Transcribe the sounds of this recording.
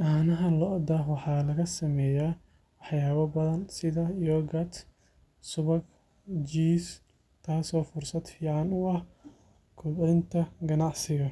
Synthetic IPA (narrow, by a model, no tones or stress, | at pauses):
ʔaːnɐɦɐlɔd̪ɐwɑħɑːlɐɣɐsɐmɛːja | wɑħjaːβɐbɐðɐnsɪðɐjɔːɡɐt̪ | sʊβɐɡ | d͡ʒiːs | t̪ʰaːsɔːfʊrsɐd̪fiːʕɑnʊɑh | kʰɔːbɾɪnt̪ʰɐɡɐnɑʕsɪɣɐ